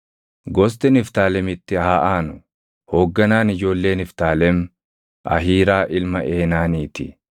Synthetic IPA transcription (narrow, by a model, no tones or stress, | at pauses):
ɡɔs̬t̪ɛnɪft̪aːlɛmɪt̪ːɪaːʔaːnʊ | hoːɡːɐnaːnɪd͡ʒo̞ːlːe̞ːnɪft̪aːlɛm | ʔɐ̰ɦiːɾaːʔɪlmɐʔeːnaːniːt̪ɪ̰